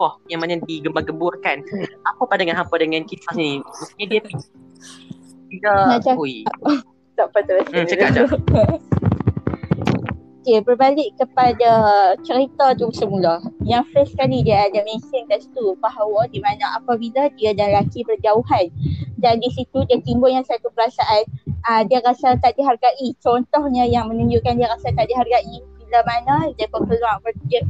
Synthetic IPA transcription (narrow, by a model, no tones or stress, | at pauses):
pɔhjaŋmanadiɡəmbaɡəmburkanʔapapandaŋanɦapadəŋankit̪ahnĩməst̪uɲadiapi | ikamat͡ʃaui | t̪aʔpat̪əɾəsat͡ʃəad͡ʒa | okebərbalɪʔkːəpadat͡ʃəɾit̪at̪usəmulahjaŋfəskalidiaadamẽnsɪnt̪ast̪ubaɦawadimanãʔapabiladiadanlakibərd͡ʒauɦandandisit̪udiat̪imbʊjasat̪upəɾasaʔanədiaɾasat̪aʔdiɦarɡaʔit͡ʃɔnt̪ɔhɲəjaŋmə̃nuɲd͡ʒuʔkandiəɾasat̪aʔdiɦarɡaʔibilamanãdiəpəkəluaŋpərə